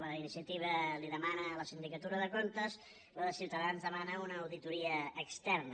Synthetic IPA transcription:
ləinisiət̪iβ̞əliðəmanələsind̪ikət̪uɾəðəkont̪əz | ləðəsiwt̪əðanzðəmanəunəːwðit̪uɾiəːkst̪ɛrn

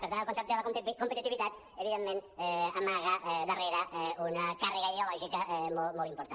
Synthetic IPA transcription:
peɾt̪anelˠkonsep̚t̪oelak̪kompet̪it̪iβit̪at̪ | eβiðemːẽnamaɣaʔðareɾaʔunakareɣaiðeoloʒikamomolˠt̪impoɾt̪a

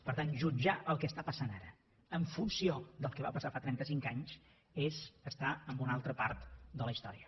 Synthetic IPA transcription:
pəɾt̪anʒud͡ʒaʔəlˠkɛəst̪apəsanaɾə | əɱfunsiod̪əlˠkəβapəsafat̪ɾɛnt̪əsiŋkaɲs | ezəst̪aəmbunalˠt̪ɾəpa̰ɾt̪d̪ələist̪ɔ̰ɾiə

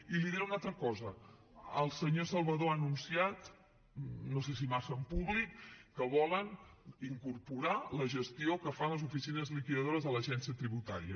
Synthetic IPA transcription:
iliðiunalˠt̪ɾəkɔzə | əlˠsəɲosəlˠβəðoanunsiat̪ | nos̬es̬imasəːmpuβlikːəβɔləniŋkuɾpuɾaləʒəst̪iokəfanləzufisinəzlikiðəð̞oɾəzðələʒɛnsiət̪ɾiβut̪a̰ɾiə

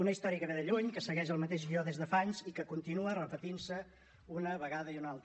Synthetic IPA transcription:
unəist̪ɔɾiəkəβeðəʎuɲkəsəɣɛʃəlˠmət̪eʒɣiɔðezðəfaɲzikəkunt̪inuərəpət̪insə | unəβəɣaðəiunalˠt̪

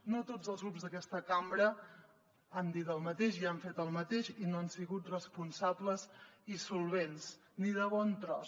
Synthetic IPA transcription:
not̪od͡zəlˠzɣɾupzðəkɛst̪əkambɾə | and̪it̪əlˠmət̪eʃiaɱfet̪əlˠmət̪eʃinoansiɣut̪rəspunsabləzisulˠβ̞ens | niðəβɔnt̪ɾɔs

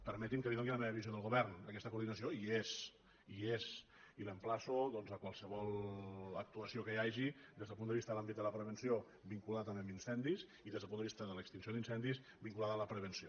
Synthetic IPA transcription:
pəɾmɛt̪imkəβiðɛŋɡiləmɛβəβizioðəlˠɣuβɛrnəkɛst̪əkuɾðinəsioiez | iez | iləmplasoðɔnzəkwalˠsəβɔlˠək̚t̪uəsiokəjaʒid̪ezðəpund̪əβist̪əðəlambit̪̚d̪ələpɾəβ̞ənsio | biŋkulaət̪əmeminsɛnd̪is | iðezðəlpund̪əβist̪əðələkst̪insijoðinsɛnd̪is | biŋkulaðələpɾəβənsio

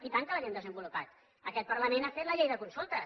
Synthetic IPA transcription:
it̪aŋkəlaʒend̪əzəmbulupat̪ | əkɛt̪̚pəɾləmenafet̪ləʎejðəkunsulˠt̪ə

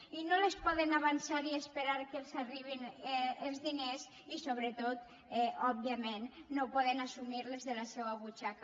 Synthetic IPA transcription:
inolespɔðenaβansaɾiespeɾaɾkelˠzariβ̞inelˠzðines | isoβɾət̪ot̪ | ɛɔbiamenːopɔðenasumiɾlezðelasɛwaβut͡ʃaka

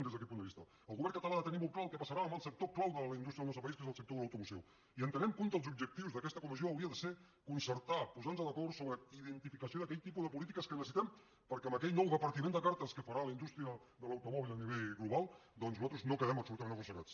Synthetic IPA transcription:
nd̪ezðəkɛt̪pund̪əβist̪ə | əlˠɣuβɛɾnkət̪əlaðət̪ənimolˠt̪klaəlˠkəpasəɾaəmbəlˠsək̚t̪oklawðələind̪ust̪ɾəðəlnɔst̪ɾəpaiskezəlˠsək̚t̪oðələwt̪umusɛ̰w | iənt̪ənɛmkunt̪əlˠzub̚d͡ʒək̚t̪iwzðəkɛst̪əkumizioəwɾiəðəse | kunsəɾt̪apuzanzələkɔɾsoβɾəiðənt̪ifikəsioðəkɛʎt̪ipuðəpulit̪ikəskənəsəsit̪ɛm | pəɾkeəməkɛʎnɔwðəpəɾt̪imẽnd̪əkaɾt̪əskəfəɾaləind̪ust̪ɾiə | ðələwt̪umɔβilˠəniβeʎɣluβalˠd̪ɔnznuzat̪ɾuznokəðɛməpsulut̪amenəɣusəɾa̰t͡s

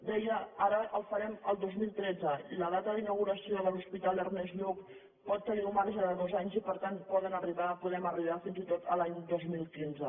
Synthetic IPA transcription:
d̪ɛjəaɾəʔəlˠfəɾɛməlˠd̪ozmilˠt̪ɾɛd͡zələðat̪əðinəwɣuɾəsioðəluspit̪alˠərnɛzʎuk | pɔt̪ːəniwmaɾʒəðəðozaɲzipəɾt̪anpɔðənəriβapuðɾɛməriβafinzit̪ot̪əlaɲd̪ozmilˠkinzə

